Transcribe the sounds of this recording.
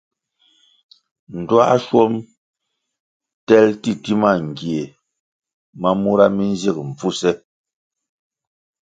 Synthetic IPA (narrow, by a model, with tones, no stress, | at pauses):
n̩˨dwa˦ʃwɔ˦m | tɛ˦lti˦ti˦ma˦˨ŋ̩˨ɡje˨ | ma˦mu˦ɾa˦mi˦n̩˦zi˦˨k̚m̩˨fu˦sɛ˦